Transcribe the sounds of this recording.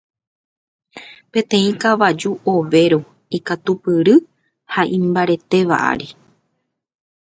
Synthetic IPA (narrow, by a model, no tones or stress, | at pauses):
pẽ̞t̪ẽ̞ĩkaʋad͡ʒuʔoʋe̞ɾo | ikat̪upɨɾɨ | haʔĩmbaɾe̞t̪e̞ʋa̰ʔa̰ɾi